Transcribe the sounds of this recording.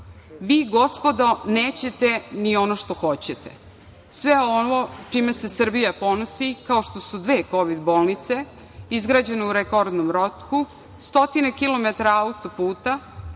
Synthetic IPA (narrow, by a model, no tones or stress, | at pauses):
ʋiːɡo̞spo̞d̪oneːt͡ɕe̞t̪enio̞noʃt̪oxo̞t͡ɕet̪ḛ | sʋeonot͡ʃimese̞sr̩bijapo̞nosikao̞ʃt̪o̞sud̪ʋe̞ːko̞ʋid̪bo̞ːlˠnit̪se̞ | izɡɾaːd͡ʑe̞neuɾekoɾd̪nomɾot̪ku | st̪o̞t̪inekilo̞met̪aɾaaut̪opuːt̪a